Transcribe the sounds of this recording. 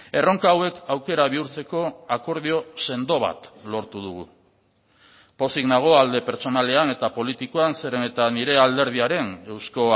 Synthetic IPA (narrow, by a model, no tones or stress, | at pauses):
e̞ro̞ŋkaːwe̞kawke̞ɾaβ̞iuɾt͡se̞ko̞ako̞ɾð̞io̞se̞nd̪o̞β̞a̰t̪lo̞ɾt̪uð̞uɣ̞u | po̞siɣnaɣ̞o̞ald̪e̞pe̞ɾt͡so̞nale̞ane̞t̪apo̞lit̪ikoanse̞ɾene̞t̪aniɾe̞ald̪e̞ɾð̞iaɾe̞ne̞wsko̞